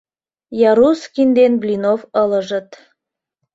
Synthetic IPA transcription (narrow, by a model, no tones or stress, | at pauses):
jɑɾuskind̪enblʲinofələʒə̆t̪